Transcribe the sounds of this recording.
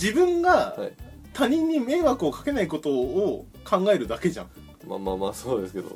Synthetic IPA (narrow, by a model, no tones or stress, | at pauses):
d͡ʑibɯ̟̃ŋɡa | t̪aɲ̟ĩɲ̟ːime̞ːβakɯ̟o̞kḁke̞naiko̞t̪o̞ː | kʰãŋɡae̞ɾɯ̟d̪ake̞ʑã̰ŋ̃ | ma̰maːmaːsoːd̪e̞sɨ̥ke̞d̪o̰